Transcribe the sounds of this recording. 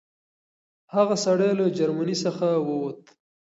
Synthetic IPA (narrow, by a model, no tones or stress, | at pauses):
haɣasaɽejlad͡ʒaɾmanisəxawəwt̪